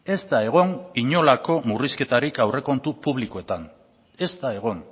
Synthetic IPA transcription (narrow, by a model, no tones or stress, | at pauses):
e̞st̪ae̞ɣ̞o̞niɲo̞lako̞muriske̞t̪aɾikawre̞ko̞nt̪upuβlikoe̞t̪an | e̞st̪ae̞ɣ̞o̞n